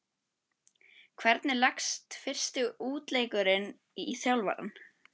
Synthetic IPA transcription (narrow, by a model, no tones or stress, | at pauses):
kʰvɛɾt̪nɪlakst̪fɪr̥st̪ɪuːt̪leːjkʏɾɪn | iθjawlva̰ɾa̰n